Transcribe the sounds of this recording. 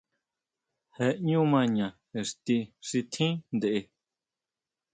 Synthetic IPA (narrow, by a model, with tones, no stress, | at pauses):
he˧ʔɲũ˦mã˧ɲã˨ | e˨ʂt̪i˧ʂi˧t̪ʰĩ˦nd̪e˨ʔe˧